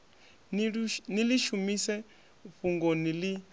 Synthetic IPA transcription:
niliʃumisɛ | ɸuŋɡonili

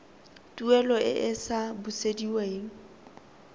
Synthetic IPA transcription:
tʼuɛlɔʔɪʔɪsabʊsediweːŋ̩

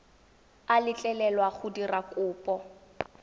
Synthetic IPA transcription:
alɪt͡ɬʼɛlɛlwaχʊdirakʼʊːpʼɔ

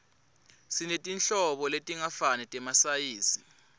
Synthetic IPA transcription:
sinetʼinɬɔɓɔletʼiŋafanɛtʼɛmasajiːsi

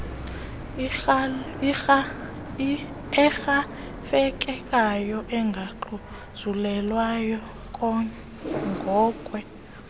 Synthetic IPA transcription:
ɛxa | fɛk̬ʼɛkʼajɔʔɛŋɡʱaǃu | z̥ulɛlwajɔ | kʼɔ | ŋɡʱɔːkʼwɛ

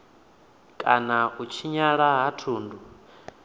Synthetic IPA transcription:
kʼanaut͡ʃʰiɲaɺaɦatʰuːndʱu

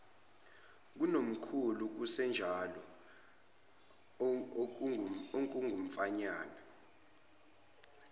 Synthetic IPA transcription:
k̬unom̩kʰuluk̬usɛnd͡ʒʱalɔ | oŋkʼuŋɡʱum̩faɲaːna

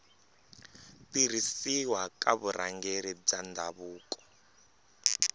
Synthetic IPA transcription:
tiɾisiwakʼaβuɾʔa̰ŋɡeɾib͡ʐandʱaβuːkʼɔ̥

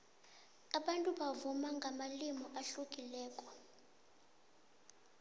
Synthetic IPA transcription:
aɓantʼuɓavumaŋɡʱamalimɔʔaɬukʼilɛːkʼɔ

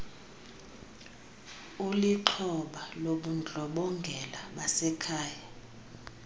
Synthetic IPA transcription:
uliǁʰɔɓaloɓund͡ɮʱɔɓɔŋɡʱɛlaɓasɛkʰaːja

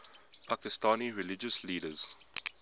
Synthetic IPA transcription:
pʰakɪstãːniɹɪlɪd͡ʒəsliːdəz̥

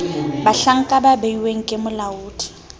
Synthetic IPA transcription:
baɬaŋ̩kʼababeiweŋ̩kʼɪmʊlauːdʰʼi̥

